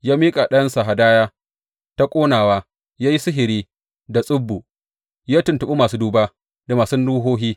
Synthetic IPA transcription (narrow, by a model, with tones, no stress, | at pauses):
jaː˦miː˦kʼa˨ɗɐ˦jɐ˦nsa˨ɦa˨daː˦jaː˦ | ta˦kʷʼoː˦naː˨waː˦ | jaː˦ji˦sʊ˦ɦɪ˨ɾiː˦ | da˨sʼʊ˦bːu˨ | jaː˦tʊ˨ntʊ˨ɓu˦maː˨suː˦duː˦baː˦ | da˨maː˨sʊ˦nɽuː˦ɦoː˦ɦiː˦